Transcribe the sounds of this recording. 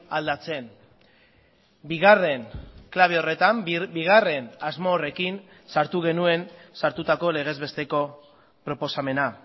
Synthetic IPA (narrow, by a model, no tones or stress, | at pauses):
ald̪at͡se̞n | biɣare̞nklaβeo̞re̞t̪ambiɣ̞are̞nazmo̞ːre̞kin | saɾt̪uɣ̞e̞nue̞nsaɾt̪ut̪ako̞le̞ɣ̞e̞zβe̞st̪e̞ko̞ | pɾo̞po̞same̞na